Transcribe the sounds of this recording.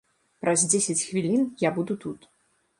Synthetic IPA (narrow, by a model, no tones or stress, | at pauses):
pɾɐzʲd͡zʲesʲɛt͡sʲxvʲilʲinjabud̪ut̪ut̪